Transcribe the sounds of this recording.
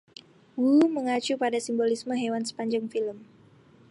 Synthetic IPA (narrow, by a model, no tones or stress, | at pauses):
wuməŋat͡ʃupadasimbolisməɦewansə̥paɲd͡ʒaŋfiləm